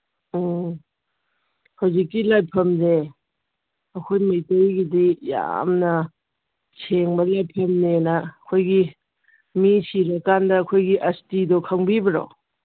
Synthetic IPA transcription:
hawzikːilajpʰɐmde | ɐkʰojmɐjtojɡidija̰mnɐ | sʰeŋbɐlajpʰɐmnenɐɐkʰojɡi | misiɾɐkːandɐːkʰojɡiʔɐstidokʰɐŋbibɐɾo̰

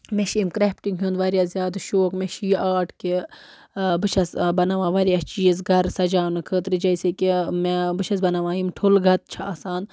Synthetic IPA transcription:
meʃiːmkɾeːpʈiŋɡɦʲund̪ʋɐɾjazjaːd̪ʃoːkmeʃijaːʈki | bɨʃʰɐsbɐnɐʋãːʋɐɾjast͡ʃiːjisɡʱɐɾsɐd͡ʒaːnɨkʰət̪ɾɨd͡ʒɐjsekimebɨt͡ʃʰɐsbɐnɐʋãːjimʈʰulɡʱɐt̪̚t͡ʃʰaaːsaːn

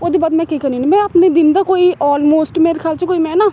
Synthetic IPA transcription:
oːd̪eːbaːd̪mɛ̃ːkiːkəɾniːniːmɛ̃ːəːpneːd̪ɪnd̪aːkoːiːʔɔːlmoːsʈmeːɾekʰaːlt͡ʃəkoːiːmɛ̃ːnaː

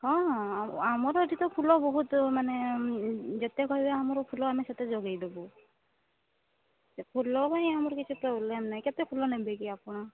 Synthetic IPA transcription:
hɔ̃amɔɾɔʈit̪ɔpʰulɔbɔɦut̪mane | d͡ʒet̪ɛkɔɦjbeamɔɾɔpʰulɔamisat̪ɛd͡ʒɔɡejd̪ɔbɔ | pʰulɔpaniamɔɾkit͡ʃʰupɾɔblemnajket̪ɛpʰulɔnebekiapɔɽ̃a

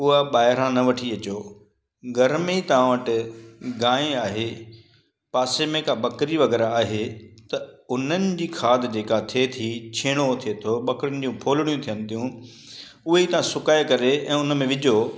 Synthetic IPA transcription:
ʊɦaɓaːɦɪɾãnɐʋɐʈʰiɐt͡ɕoː | ɡɐɾmeit̪ɐʋ̤ãʋəʈɪɡaːeaːɦe | paːsemẽkabɐkɾiʋɐɣɛːɾaaːɦet̪ɐʊn̤ənɪ̆d͡ʑiːkʰaːd̪ʱd͡ʑeːkat̪ʰet̪ʰit͡ɕʰeːɽ̃ot̪ʰiet̪ʰoɓɐkɾʊnɪ̆d͡ʑũːpʰoːlɪɽ̃ijũt̪ʰijənɪt̪ʰijũ | ʊɦeit̪ɐʋ̤ãsʊkaːekɐɾeɛ̃ːʊnə̆mẽʋɪd͡ʑʱoː

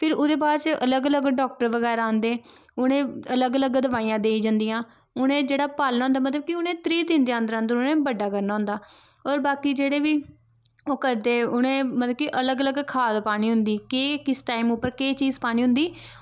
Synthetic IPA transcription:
pʰɪɾʊd̪eːbaːɾt͡ʃələɡələɡɖɔːk̚ʈəɾʋəɡɛːɾaãːnd̪eː | ʊnẽːələɡələɡd̪əʋaːiːãːd̪eːiːd͡ʒə̃nd̪ijãː | ʊnẽːd͡ʒeːɽaːpaːlnaːʊnd̪aːmət̪̬ləb̚kɪʊnẽːt̪ɾiːt̪ɪ̃nd̪eãːnd̪əɾãːnd̪ʊnẽːbəɖːaːkəɾnaːɦʊ̃nd̪aː | ɔːɾbaːkiːd͡ʒeːɽeːʋiː | oːkəɾd̪eːʊnẽːmət̪ləbkɪʔələɡələɡkʰaːd̪paːniːɦʊnd̪iːkeːkɪsʈaːiːmʊpːəɾkeːt͡ʃiːzpaːñiːɦʊ̃nd̪iː

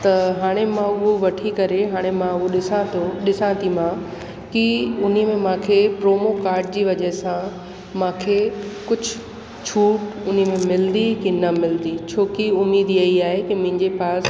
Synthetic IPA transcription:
t̪ɐɦaːɽ̃emãʊɦoʋɐʈʰikɐɾeɦaːɽ̃emãʊɦoɗɪsãt̪ʰoɗɪsãt̪imã | kiʊnimẽmãːkʰepɾoːmokaːɾɖ̚d͡ʑiːʋɐd͡ʑɐɦɪsã | mãːkʰekʊd͡ʑʱʊ | t͡ɕʰuːʈʊn̤imẽmɪld̪ikinɐmɪld̪it͡ɕʰoːkiʊmiːd̪ijɐiaːɦekimʊ̃ɦɪ̃ɲd͡ʑepaːs

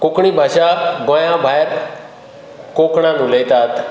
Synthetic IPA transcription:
kʊkɳ̃iːbʱaːʃaɡajãbʱaːjɾ | koːkɽ̃ãnũːlejt̪aːt̪

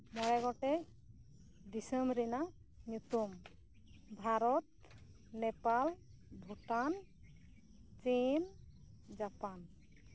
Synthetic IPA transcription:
mɔɾɛɡɔʈɛ | d̪isəmɾina | ɲut̪um | bʱaɾɔt̪̚ | nɛpal | bʱuʈan | t͡ʃind͡ʒapan

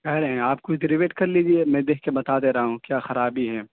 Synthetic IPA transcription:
kɛɦɾeɦɛ̃aːp̚kʊt͡ʃʰɖɛɾɪʋeːʈkɐɾliːd͡ʒiemɛ̃d̪eːkʰkebɐt̪aːd̪eːɾɐɦaɦũkjaːxɐɾaːbiɦɛː

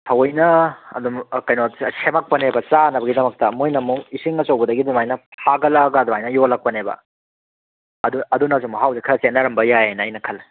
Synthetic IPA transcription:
tʰɐwɐjnɐɐ̰dumkɐjnosemak̚pɐnebɐt͡ʃanɐbɐɡidɐmɐk̚tɐmojnɐmuŋisiŋɐt͡ʃɐwbɐdɐɡidimajnɐpʰaɡɐlaɡɐːdumajnɐjolak̚pɐnebɐ̰ | ɐduɐdunazuŋmɐɦawzekʰɐɾɐsenɐɾɐmbɐjajenɐːjnɐkʰɐl

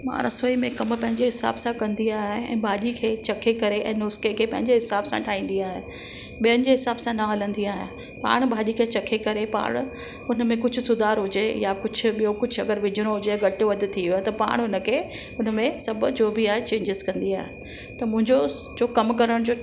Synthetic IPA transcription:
ma̰ːɾɐsoːimẽkɐmpɐ̃ɦɪɲd͡ʑeɦɪsa̰ːbsãkɐ̃nd̪iaːɦeɛ̰̃ːbʱaːʄikʰeːt͡ɕɐkʰekɐɾeʔɛ̰̃ːnʊskekʰeːpɐ̃ɦɪ̃ɲd͡ʑeɦɪsaːbsã̰ʈʰaːĩːn̆d̪iaːɦe | ɓijəñɪ̆d͡ʑeɦɪsaːbsãnɐɦɐlə̃nd̪iaːɦḛ | pa̰ːɽ̃bʱaːʄikʰeːt͡ɕɐkʰekɐɾepa̰ːɽ̃ʊ | ʊnə̆mẽkʊd͡ʑʱʊ̆sʊd̪ʱaːɾɦʊd͡ʑejakʊd͡ʑʱʊ̆ijokʊd͡ʑʱɐɡəɾʋɪd͡ʑʱɪɽ̃oɦʊd͡ʑeɡɐʈʊʋɐd̪ɪt̪ʰiɦiat̪ɐpa̰ːɽ̃ʊnə̆kʰeː | ʊn̤əmẽsɐbʊd͡ʑoːbʱɪaːɦet͡ɕẽːɲd͡ʑɪzkɐ̃nd̪iaːɦe | t̪ɐmʊ̃ɦɪ̃ɲd͡ʑo | d͡ʑoːkɐmkɐɾəɽ̃d͡ʑoː

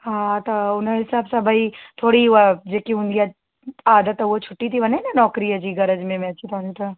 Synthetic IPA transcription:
ɦãːt̪aʊnaɦɪsaːbsabʱait̪ʰoːɽiʋad͡ʒeːkiʊ̃nd̪ija | aːd̪ət̪ːɐot͡ʃʰʊʈːit̪ʰibɐnenanɔːkɾiad͡ʒiɡɐɾəd͡ʒmẽmɛ̃ːt͡ʃʰit̪aːnit̪ʰa

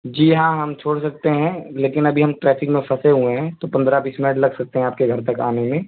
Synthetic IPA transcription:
d͡ʒiːɦãɦɐmt͡ʃʰoːɽsɐk̚t̪eɦɛ̃leːkɪnɐbʱiɦɐmʈɾɛːfʰɪkmẽpʰɐseɦueɦɛ̃t̪opɐ̃nd̪ɾabiːsmɪnəʈ̬lɐɡsɐk̚t̪eɦɛ̃aːp̚keɡʱɐɾt̪ɐkaːnemẽː

